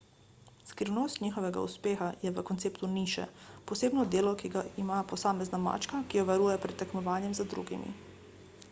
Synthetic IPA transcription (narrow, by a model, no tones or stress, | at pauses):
skɾiwnost̪nʲiːxɔʋɛɡa̰ṵspeːxajɛʋəkɔnt̪seːpt̪uniːʃɛ̰pɔseːbnɔd̪eːlɔkiɡaimapɔsaːmɛznama̰ːt͡ʃkakijɔʋaɾuːjɛpɾɛt̪ːɛkmɔʋaːnjɛmzad̪ɾṵɡḭmḭ